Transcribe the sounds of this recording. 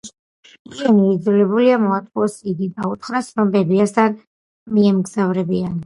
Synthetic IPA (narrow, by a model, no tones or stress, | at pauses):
kianiid̪zulɛbuliamɔat̪ʼuɔsiɡ̪id̪aut̪ʰχɾasnɔbɛbiast̪ʰan | miɛmɡzavɾɛbian